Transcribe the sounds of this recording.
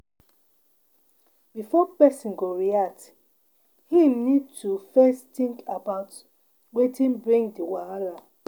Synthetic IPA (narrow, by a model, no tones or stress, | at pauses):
b̥ifɔpɛsĩnɡoɹiak̚t | hĩnid̚tufɛstĩŋkabaʊt | wetʰĩnbɹĩŋdiwaala